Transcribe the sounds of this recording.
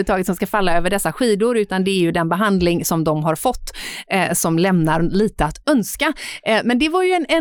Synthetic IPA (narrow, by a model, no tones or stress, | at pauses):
ət̪ʰɑːɡət̪sɔmskafalːaøːvəɖɛsːaɧiːd̪ʊɾʉ̟ːt̪and̪ɛæɾjɵd̪ɛnbɛɦand̪lɪŋsɔmd̪ɔmɦaɾfɔt̪ːsɔmlɛmnaɾliːt̪əat̪œnskamɛnd̪ɛvaɾjɵɛnɛ